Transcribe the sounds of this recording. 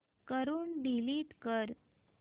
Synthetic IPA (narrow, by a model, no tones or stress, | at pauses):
kəɾuːnɖiliːt̪kəɾ